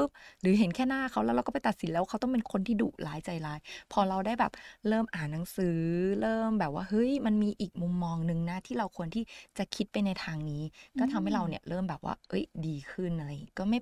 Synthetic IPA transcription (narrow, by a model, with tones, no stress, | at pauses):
ɯ˦˥p̚ɾɯː˩˦ɦe˨˩˦nkʰɛː˥˩naː˥˩kʰa˦˥wlːwɾa˧wkɔː˥˩pa˧jt̪a˨t̪̚si˩˦lɛ˦wʰa˦˥t̪ɔ˥˩ŋpe˧nkʰo˧nt̪ʰiː˥˩dṵː˨˩k̚laː˦˥jt͡ɕa˧jlaː˦jpʰɔː˧ɾa˧wdaː˥˩jbɛː˨˩p̚ɾɤː˥˩mʔaː˨˩nːa˩˦ŋsɯː˨˩˦ɾɤː˥˩mbɛː˨˩p̚wa̰ː˥˩hɤ˦˥jma˧nmiː˧ʔiː˨˩k̚mu˧mːɔː˧ŋnɯ˧ŋna˦˥t̪ʰiː˥˩ɾa˧wkʰu˧ənt̪ʰiː˥˩t͡ɕa˨˩kʰi˦˥t̪̚pa˧jna˧jt̪ʰaː˧ŋniː˦˥kɔː˥˩t̪ʰa˧mha˥˩jɾa˧wni˥˩ɐɾɤː˥˩mbɛː˨˩p̚wa̰ː˥˩ʔɤ˦˥˩jdiː˧kʰɯ˥˩nːaː˧jkɔː˥˩ma˥˩j